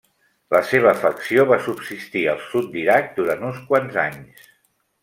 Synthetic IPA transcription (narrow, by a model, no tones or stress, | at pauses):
ləseβ̞əːfəksioβasubsist̪iə̰lˠsut̪̚d̪iɾak̚d̪uɾant̪unskwanzaɲs